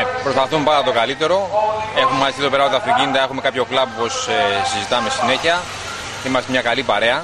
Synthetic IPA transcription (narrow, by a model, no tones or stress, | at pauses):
pɾospɐθumpɐd̪ɐt̪o̞kɐlit̪e̞ɾo̞e̞xumemɐist̪itðopeɾɐpot̪ɐfiɟind̪ɐe̞xume̞kɐpço̞klɐpuposesizit̪ɐmesine̞çiɐ | imɐst̪emɲɐkɐlipɐɾe̞ɐ